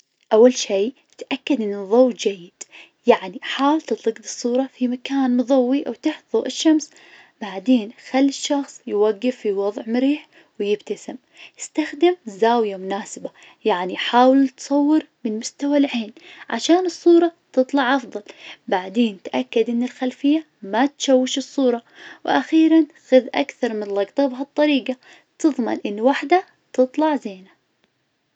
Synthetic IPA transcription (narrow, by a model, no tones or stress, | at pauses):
ʔawːalʃiː | t̪ʔakːad̪ʔɪnːɨðˤowd͡ʒajːɪd̪̥ | jaʕniħaːwɪlt̪ɨt̪ˤlɨɡd̪ɨsˤːuːɾˤɑfimakaːnmʊðˤawːiʔawt̪ɪħðˤuʔɪʃːams | b̥aʕd̪eːnxalːɪʃːɑxsˤjwaɡːɪfːiwɑðˤʕmʊɾiːħ | wjɪbt̪asɪm | jɪst̪axd̪ɪmzaːwjamʊnaːsɪba | jaʕniħaːwɪlt̪sˤɑwːɨɾmɪnmʊst̪awalħeːnʕa̰ʃaːnɨsˤːuːɾˤɑt̪ɨt̪ˤlɑʕʔɑfðˤɑlbaʕd̪eːnt̪ʔakːad̪ʔɪnːɪlxalfɪjːa | mat̪ʃawːɪʃɨsˤːuːɾˤɑwʔaxiːɾanxʊðʔa̰kθɑɾˤmɪnlɑɡt̪ˤɨbɦɑt̪ˤːɑɾiːɡa | t̪ɨðˤma̰nʔɪnːwaħd̪a | t̪ɨt̪ˤlɑʕzeːna